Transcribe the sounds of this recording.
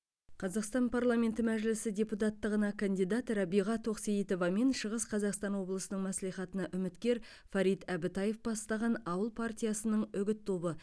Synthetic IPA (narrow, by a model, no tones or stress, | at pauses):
qʰɑzɑqst̪ɑnpʰarlˠamʲe̞nt̪ɪmæʒlɪsɪdʲe̞put̪ɑt̪ːəʁənɑkʰand̪ijd̪ɑt̪ɾɑbijʁɑt̪ʰoqsejit̪o̞vɑmenʃəʁəsqʰɑzɑqst̪ɑnwo̞blˠəsənəɴmæslijχɑt̪ənɑʔʏmɪt̪kʲe̞ɾ | fɑɾijt̪æbɪt̪ɑje̞fbɑst̪ɑʁɑnɑwəlˠpʰart̪ʲijasənəɴʏɡʲɪt̪ʰːo̞bə